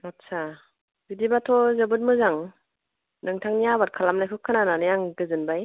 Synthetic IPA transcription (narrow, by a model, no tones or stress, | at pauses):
att͡ʃʰa | bidibatʰɔzəbɯt̚mɯzaŋ | nɯŋtʰaŋnijabat̚kʰalamnajkʰɯkʰːɯnananɯjaŋɡɯzɯnbaj